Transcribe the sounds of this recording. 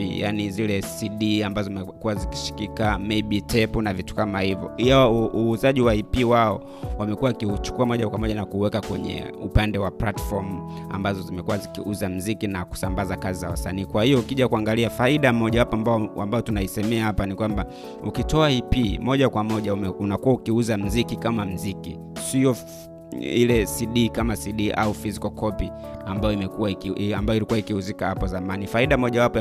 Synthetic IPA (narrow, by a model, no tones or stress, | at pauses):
ḭjanizilɛsiɗiambazɔmɛkuwaziki̥ʃi̥kikamɛiɓitɛpunavitu̥kamahivjɔ̰iauːzaʄiwaipiwaɔ | wamɛkuwakiut͡ʃu̥kuamɔʄakwamɔʄanakuwɛkakwɛ̰ɲɛ̰upandɛwaplatfɔm̩a̰mbazɔzimɛkuwazikiuzam̩zikinaku̥sambazakazizawasa̰niːkwahijɔukiʄakuaŋɡaliafaiɗamɔʄahapmbaambajɔtunaisɛmɛahapanikwamba | ukitɔaipimɔʄakwamɔʄaunakuwaukiuzam̩zikikamam̩ziki | siɔ | ilɛsiɗikamasiɗiʔa̰ufizikɔkʰɔpi | ambajɔimɛkuwaambajɔilikuwaikihuzikahapɔzamanifaiɗamɔʄawapɔ